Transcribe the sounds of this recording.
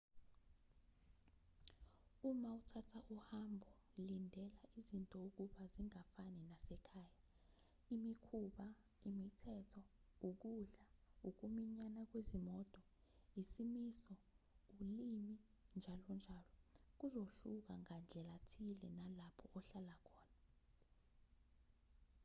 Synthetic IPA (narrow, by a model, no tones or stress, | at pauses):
umautʰatʰaʔuhambʱɔlindʱɛlaʔizintʼɔuk̬uɓaziŋafaninasɛkʰaːja | imikʰuɓa | imitʰɛtʰɔuk̬uɬauk̬umiɲanak̬wezimɔtʼɔ | isimisɔulimi | nd͡ʒʱalɔnd͡ʒʱalɔk̬uzoɬuk̬aŋand͡ɮʱɛlatʰilɛnalapʰɔʔɔɬalakʰɔːna